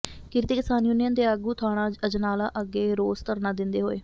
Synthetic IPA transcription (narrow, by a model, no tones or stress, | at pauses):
kɪɾt̪eːkɪsaːnjunɪjənd̪eːaːɡuːt̪ʰaːɽãːəd͡ʒnaːlaːʔəɡːeːɾoːst̪əɾnaːd̪ɪnd̪eːɦoːḛː